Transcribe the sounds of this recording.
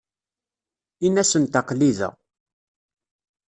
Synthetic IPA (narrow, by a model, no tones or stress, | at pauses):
inæsənt̪ɑqliðæ̰